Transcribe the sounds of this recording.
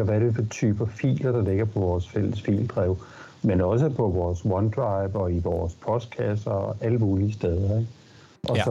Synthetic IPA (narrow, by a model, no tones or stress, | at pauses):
ɐʋæɾ̥efɒt͡sʰy̰ːb̥ɐfḭːlɐd̥ɑ̈le̝ɡ̥ɐpʰɒ̽ʋɒːsfel̰əsfḭːld̥ʁɛʊ | menɒ̽s̬əpʰɒ̽ʋɒːswɒnd̥ʁɑ̈ɪb̥ɒ̽iʋɒːspʰɒ̽sd̥̚kʰæsd̥ɐɒʔæləmuːliəsd̥eð̞ˠɐeɡ̥ | ʔɒ̽sɒ